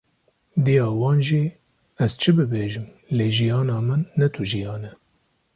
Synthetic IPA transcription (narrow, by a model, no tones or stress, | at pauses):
d̪ijɑːwɑːnʒiː | ɛzt͡ʃʰɨbɨbeːʒɨm | leːʒijɑːnɑːmɨnːɛt̪ʰuʒijɑːnɛ